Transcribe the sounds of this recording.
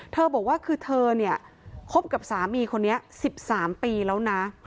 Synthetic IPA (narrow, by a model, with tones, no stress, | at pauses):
t̪ʰɤː˧bɔː˨˩k̚waː˥˩kʰɯː˧t̪ʰɤː˧ni˥˩ɐ | kʰo˦˥p̚ka˨˩p̚saː˩˦miː˧kʰo˧nːi˦˥ɐsi˨˩p̚saː˩˦mpiː˧lɛː˦˥wna˦˥